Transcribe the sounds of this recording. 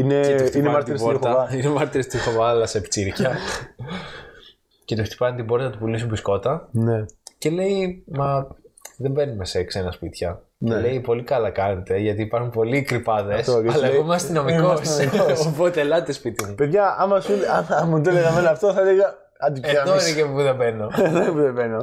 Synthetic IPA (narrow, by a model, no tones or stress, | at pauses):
inet̪inemɐɾt̪iɾsoɾt̪ɐɐinemɐɾt̪iɾest̪ixovɐlɐsept͡siɾçɐ | ce̞t̪uft̪i̥pɐnt̪ibo̞ɾt̪ɐt̪upulisumbisko̞t̪ɐnece̞le̞imɐðembe̞nume̞se̞kse̞nɐspit̪çɐ | nele̞ipo̞likɐlɐkɐnet̪e̞ʝɐt̪iːpɐɾxumpo̞likɾipɐðesɐlɐkomeɐst̪ino̞mikosopot̪elɐt̪espit̪imupeðʝɐɐmɐsuɐmmud̪eleɣɐmenoɐft̪oθɐleɣɐ | ɐd̪ied̪oleɣepuðebeno̞ðebðeveno